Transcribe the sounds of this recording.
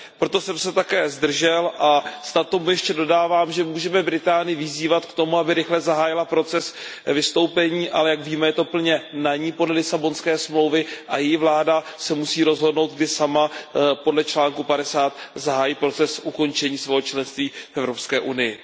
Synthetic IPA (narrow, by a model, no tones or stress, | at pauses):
pɾo̞t̪o̞sɛmsɛt̪akɛːzd̪r̩ʒɛlʔasnat̪omujɛʃcɛdo̞daːvaːmʒɛmuːʒɛmɛbɾɪt̪aːnɪjɪvɪziːvat̪kt̪o̞muabɪɾɪxlɛzaɦaːjɪlapɾo̞t͡sɛsvɪst̪o̞wpɛɲiːʔalɛjakviːmɛjɛt̪o̞pl̩ɲɛnaɲiːpo̞dlɛlɪsabo̞nskɛːsmlo̞wvɪʔajɛjɪvlaːdasɛmusiːɾo̞zɦo̞dnowt̪̚ɡdɪʃsamapo̞dlɛt͡ʃlaːŋkupadɛsaːt̪zaɦaːjiːpɾo̞t͡sɛsʔuko̞nt͡ʃɛɲiːsvɛːɦot͡ʃlɛnst̪viːfʔɛvɾopskɛːʔunɪjɪ